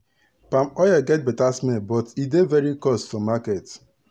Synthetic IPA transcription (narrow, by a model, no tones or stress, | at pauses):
pãmɔjaɡɛt̚bɛtasmɛbɔtidevɛɾikɔstfɔmakɛt